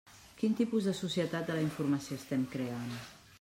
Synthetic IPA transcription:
kint̪ipuzðəsusiət̪at̪̚d̪ələiɱfuɾməsioəst̪ɛmkɾean

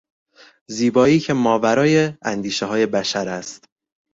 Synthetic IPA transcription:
ziːbɒːiːcʰe̞mɒːvæɾɒːjeænd̪iːʃeɦɒːje̞bæʃæɾæst̪

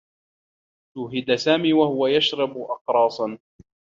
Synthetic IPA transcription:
t̪uːɦɪd̪asaːmiːwahʊwajaʃɾˤɑbʊʔɑqɾˤɑːsˤɑn

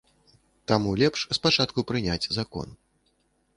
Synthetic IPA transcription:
t̪amulʲɛpʂspat͡ʂat̪̚kupɾɨnʲad͡zʲzakɔ̰n

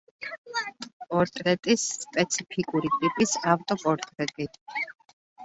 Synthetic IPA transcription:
pʼɔɾt̪ʼɾɛt̪ʼisːpʼɛt̪sʰipʰikʼuɾit̪ʼipʼisaft̪ʼɔpʼɔɾt̪ʼɾɛt̪ʼi

